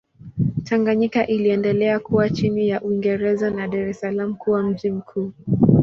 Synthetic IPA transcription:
tʰaŋɡaɲikaʔiliɛndɛlɛakuwat͡ʃinijaʔuiŋɡɛɾɛzanaɗaɾɛsalam̩kuwam̩ʄim̩kʰuː

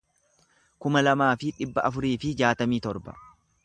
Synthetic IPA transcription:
kʊmɐlɐmaːfɪᶑɪbːɐʔɐfʊɾiːfɪd͡ʒaːt̪ɐmiːt̪ɔɾbɐ̰

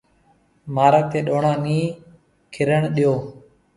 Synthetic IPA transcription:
maːɾəːt̪eːɗoːɳãːniː | kʰɪɾəɳɗɪjoː

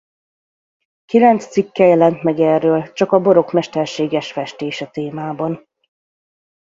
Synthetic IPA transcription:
kilɛnt̪st̪sikːɛjɛlɛnt̪mɛɡɛːrːøːlt͡ʃɒkɒbo̞ɾo̞kmɛʃt̪ɛrʃeːɡɛʃfɛʃt̪eːʃɛt̪eːmaːbɒn

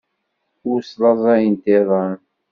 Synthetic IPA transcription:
ʊɾslɑzˤɑjənt̪eðˤɑn

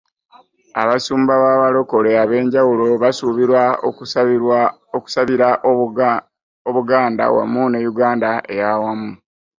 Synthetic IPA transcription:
a̰βasuːmbaβaβalo̞ko̞leaβe̞ːɲɟawulo̞βasuβiɾwa | oku̥saβiɾa | oβuɡaːnda̰wa̰mːunejuɡaːndae̞̰jawamu

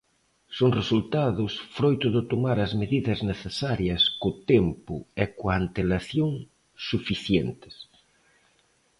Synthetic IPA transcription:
soŋresult̪aðʊsfɾojt̪ʊðɪt̪omaɾɐzmeðiðɐzneθesaɾjɐskʊt̪ɛmpʊɛkwaant̪elaθjoŋ | sufiθjent̪ɪ̥s

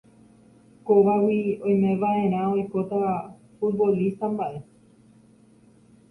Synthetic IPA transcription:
koʋawiõ̞j̃mẽ̞ʋaʔe̞ɾ̃ão̞jko̞t̪a | fut̪̚bo̞list̪ambaʔe

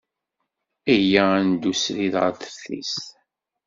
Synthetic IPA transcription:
æjænd̪usɾiðʁə̰ɾθəɾθḭs

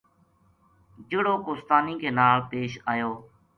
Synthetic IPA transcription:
d͡ʒɪɽoːkoːst̪aːnĩːkʰeːnaːlpeːʃaːjoː

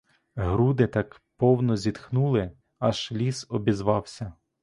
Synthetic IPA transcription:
ɦɾud̪ɪt̪ɑk | pɔwnɔzʲit̪xnulˠɪ | ɐʃlʲisɔbʲizʋɑwsʲɐ

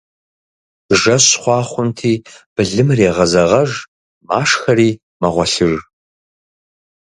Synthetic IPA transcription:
ʒɐɕχʷɑːχʷʊntʰiːb̥ɨɮɨmreːʁɐzɐʁɐʒ | maːʂxɐɾiː | mɐʁʷɔɬɨr

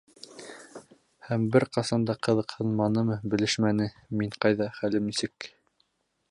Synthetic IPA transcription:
hæmbɘɾqɑsɑnd̪ɑqɤ̆ðɤqhɤ̆lˠmɑnɤmɤbɘ̆lɘʃmænɘ | miɴqɑjðɑχælɘmnisɘk

